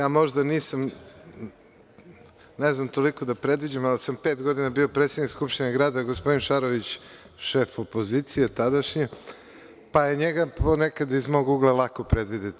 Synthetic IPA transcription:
jaːmo̞ʒd̪aniːsam | neznamt̪o̞liko̞d̪apɾe̞d̪ʋid͡ʑamalsampeːt̪ɡo̞d̪inabio̞pɾet̪sed̪nikskupʃt̪inaɡɾaːd̪aɡospo̞d̪inʃaɾoʋit͡ɕ | ʃe̞ːfo̞po̞zit̪sijet̪ad̪aʃɲi | pajeɲeɡaponekad̪izmo̞ɡuɡlˠalˠakopɾed̪ʋid̪et̪

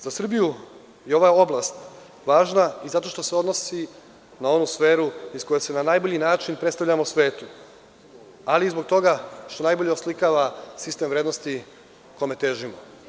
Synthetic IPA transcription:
zasr̩biju | jeo̞ʋao̞blˠast̪ | ʋaːʒnaizat̪o̞ʃt̪o̞seod̪no̞si | nao̞nusfe̞ːɾuisko̞jese̞nanajbo̞ʎinaːt͡ʃinpɾet̪st̪avʎamosʋe̞ːt̪u | aliːzbo̞ɡ̚t̪o̞ɡaʃt̪o̞najbo̞ʎeoslikaʋasist̪e̞mvɾed̪nost̪i | kome̞t̪eːʒimo

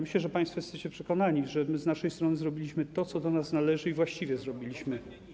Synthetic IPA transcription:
mɘɕɛʐɛpaj̃st̪fɔjɛsɛt͡ɕɛpʂɛkɔnaɲiʐɛmɘznaʂɛjst̪ɾɔnɘzɾɔbʲilʲiɕmɘt̪ɔt̪sɔd̪ɔnasnalɛʐɘivwaɕt͡ɕivʲjɛzɾɔbʲilʲiɕmɘ

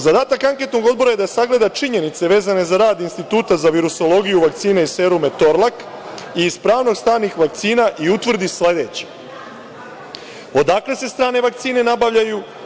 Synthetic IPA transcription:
zad̪aːt̪akaŋke̞t̪no̞ɡo̞d̪bo̞ɾajed̪asaɡle̞d̪at͡ʃiɲe̞nit̪se̞ʋe̞ːzane̞zaɾaːd̪inst̪it̪uːt̪azaʋiɾuso̞lo̞ɡijuʋak̚t̪siːnaise̞ɾume̞t̪o̞ɾlˠak | iːzpɾaːʋno̞ɡst̪aːnixʋak̚t̪siːnaʔiut̪ʋr̩d̪isle̞d̪et͡ɕe̥ | o̞d̪akle̞se̞st̪ɾaːne̞ʋakt̪siːne̞nabaʋʎaju

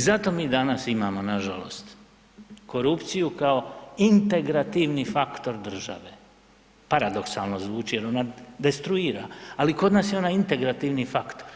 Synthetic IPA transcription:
zat̪o̞miːd̪anasimaːmo̞naʒa̰lo̞̰st̪ | ko̞ɾupt̪sijukao̞int̪e̞ɡɾat̪iʋnifakt̪o̞ɾd̪r̩ʒa̰ʋe | paɾad̪o̞ksalˠno̞zʋuːt͡ʃije̞ɾo̞nad̪e̞st̪ɾuiːɾa̰aliko̞d̪naːsjeo̞najint̪e̞ɡɾat̪iʋnifakt̪o̞ɾ

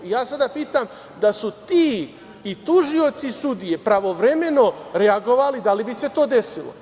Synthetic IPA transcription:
ijaːsad̪apiːt̪am | d̪asut̪iː | t̪uʒio̞t̪sisud̪ije̞pɾaʋo̞ʋɾe̞me̞no̞ɾeaɡo̞ʋalid̪alibise̞t̪o̞ːd̪e̞silo̰

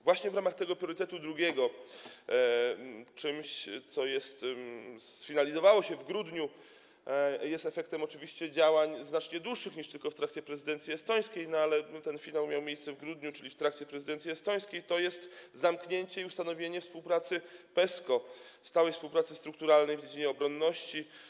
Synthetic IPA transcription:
vwaɕɲɛvɾamaxt̪ɛɡɔpɾʲjɔɾɘt̪ɛt̪ud̪ɾuɡʲɛɡɔ | t͡ʂɘmɕt̪sɔjɛst̪ | sfʲinalʲizɔvawɔɕɛvɡɾud̪ɲu | jɛst̪ɛfɛk̚t̪ɛmɔt͡ʂɘvʲiɕt͡ɕɛd͡ʑawaɲznat͡ʂɲɛd̪wuʂːɘxɲiʂt̪ɘlkɔft̪ɾakt̪sʲjɛpɾɛzɨd̪ɛnt̪sʲiɛst̪ɔj̃skʲejnɔalɛt̪ɛnfʲinawmʲjawmʲjejst̪sɛvɡɾud̪ɲut͡ʂɘlʲift̪ɾakt̪sʲjɛpɾɛzɨd̪ɛnt̪sʲjiɛst̪ɔj̃skʲejt̪ɔjɛst̪zamkɲeɲt͡ɕɛiust̪anɔvʲjeɲɛfspuwpɾat̪sɘpɛskɔst̪awɛjfspuwpɾat̪sɘst̪ɾuk̚t̪uɾalnɛjvd͡ʑed͡ʑiɲɛɔbɾɔnːɔɕt͡ɕi

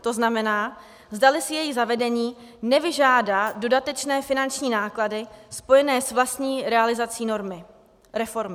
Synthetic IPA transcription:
t̪o̞znamɛnaː | zdalɪsɪjɛjizavɛdɛɲiː | nɛvɪʒaːdaːdo̞dat̪ɛt͡ʃnɛːfɪnant͡ʃɲiːnaːkladɪspo̞jɛnɛːsvlast̪ɲiːɾɛalɪzat͡siːnoɾmɪ | ɾɛfo̞ɾmɪ

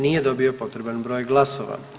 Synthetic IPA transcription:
nije̞d̪o̞bio̞po̞t̪ɾe̞banbɾo̞ːjɡlˠasoʋa̰

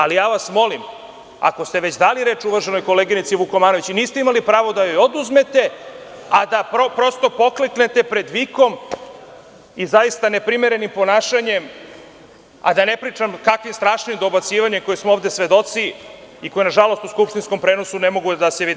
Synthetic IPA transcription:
alijaːʋasmo̞lim | a̰ko̞st̪e̞ʋet͡ɕd̪aliɾe̞ːt͡ʃuʋrʒeno̞jko̞leɡinit̪siʋukomaːnoit͡ɕiniːst̪eimalipɾaːʋo̞d̪ajojo̞d̪uzme̞t̪e̞ad̪apɾopɾo̞st̪o̞po̞klekne̞t̪e̞pɾe̞d̪ʋiko̞m | izajist̪ane̞pɾimeɾe̞nimpo̞naːʃaɲe̞m | a̰d̪ane̞pɾiːt͡ʂamkakʋimst̪ɾaːʃnimd̪o̞bat̪siːʋaɲeko̞jismooːvd̪e̞sʋe̞d̪o̞t̪siiko̞jinaʒalo̞st̪uskupʃt̪insko̞mpɾe̞ːno̞sune̞mo̞ɡud̪aseʋi

